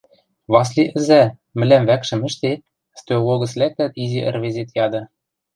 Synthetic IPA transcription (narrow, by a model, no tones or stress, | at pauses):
βɑs̬liʔɘ̆zæ | mɘ̆læmvækʃɘ̆mɘ̆ʃt̪et̪̚ | st̪ooloɣɤ̆slæk̚t̪æt̪iziʔɘ̰̆rβezet̪jɑd̪ɤ̆